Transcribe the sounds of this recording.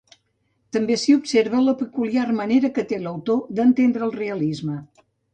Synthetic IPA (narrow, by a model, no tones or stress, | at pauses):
t̪əmbesiubseɾβələpəkuliarməneɾəkət̪eləwt̪od̪ənt̪end̪ɾəːlˠreəlizmə